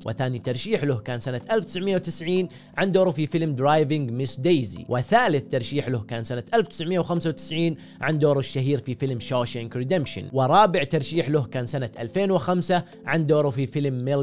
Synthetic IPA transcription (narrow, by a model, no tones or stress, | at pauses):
wʔɪ̰θaːnit̪ɑɾˤʃiːħlʊhkaːnsanaʔalft̪ɪ̥sʕmɪjːawt̪ɪsʕiːn | ʕand̪oːɾufifɪlmd̪ɾaːjvɪŋɡmɪsd̪ejzḭwʔɪθaːlɪθt̪ɑɾˤʃiːħlʊhkaːnsanaʔalfwt̪ɪ̥sʕmɪjawxamsawt̪ɪ̥sʕiːn | ʕand̪oːɾˤɪʃːaɦiːɾfifɪlmʃoːʃaŋkɾɪd̪amʃɪ̰nwɪɾˤɑːbɪʕt̪ɑɾˤʃiːħlʊhkaːnsanaʔa̰lfeːnwɪxamsa | ʕand̪oːɾˤufifɪlmːɪl